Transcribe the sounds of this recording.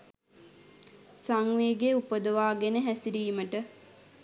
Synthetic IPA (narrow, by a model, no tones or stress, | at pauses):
saŋʋeːɡeupəd̪əʋaːɡenəɦæsiɾiːməʈə